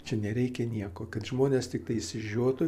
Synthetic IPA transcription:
t͡ʃʲɛnʲɛɾʲɛɪkʲɛnʲiɛkoːkɐt̪ʒmoːnʲeːst̪ʲɪk̚t̪ɐɪsʲɪʒʲuɔt̪ʊ

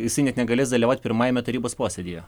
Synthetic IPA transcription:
jɪsɐɪnʲɛt̪nʲɛɡɐlʲeːsd̪ɐlʲiʋɑːˑʊt̪̚ʲpʲɪɾmɑːjɛmʲɛt̪ɐɾʲiːboːspoːsʲɛd̪ʲijɛ

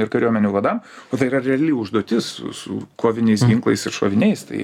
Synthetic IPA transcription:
ɪɾkɐɾʲuɔmʲɛnʲuːʋɐd̪ɐmoːt̪ɐɪiːɾɐɾʲɛɐlʲiʊʒd̪oːt̪ʲɪssʊ̰sʊ̰koːʋʲɪnʲɛɪsɡʲɪŋklˠɐ̰ɪsɪɾʃo̰ːʋʲɪnʲɛɪst̪ɐ̰ɪ

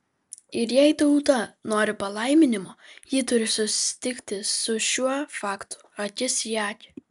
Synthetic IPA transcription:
ɪɾjɛɪt̪ɐʊt̪ɐnoːɾʲɪpɐlˠɐɪmʲɪnʲɪmoːjiːt̪ʊɾʲɪsʊsʲɪ̥t̪ʲɪkʲt̪ʲɪsʊʃʲuɔfɑːkt̪ʊ̥ɐk̪ʲɪsjæːkʲɪ̥

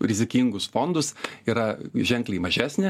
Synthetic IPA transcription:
ɾʲɪzʲɪkʲiŋɡʊsfoːnd̪ʊsiːɾɐʒʲɛŋklʲeɪmɐʒʲæːsʲnʲɪ

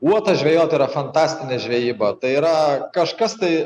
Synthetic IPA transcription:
uɔt̪ɐʒʲʋʲɛːjoːt̪ɐiːɾɐfɐnt̪ɑːsʲt̪ʲɪnʲeːʒʲʋʲeːjiːbɐt̪ɐɪiːɾɐkɐʃkɐst̪ɐɪ

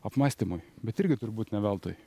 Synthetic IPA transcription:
ɐpmɑːsʲt̪ʲimʊjbʲɛt̪ɪɾʲɡʲɪt̪ʊɾbuːt̪nʲɛʋʲælˠt̪o̰ːj

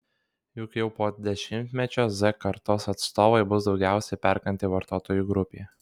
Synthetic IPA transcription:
jʊkjɛʊpoːd̪ʲɛʃʲɪmʲt̪ʲmʲɛt͡ʃʲoːzɛkɐɾt̪oːsɐt̪st̪oːʋɐɪbʊsd̪ɒʊɡʲæˑʊsʲɛpʲɛɾkɐnʲt̪ʲɪʋɐɾt̪oːt̪oːjuːɡɾʊpʲḛː

